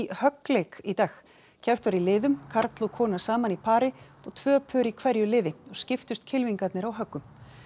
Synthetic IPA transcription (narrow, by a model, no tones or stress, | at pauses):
hœklejkit̪aːx | cʰɛwht̪vaɾilɪːðʏmkʰaɾt̪lɔkʰɔːnasaːmanipʰaːɾɪ | ɔɣt̪ʰv̥œːpʰœːɾikʰvɛɾjʏlɪːðɪɔɣscɪft̪ʏst̪cʰɪlviŋkat̪nɪɾawɦœkːʏm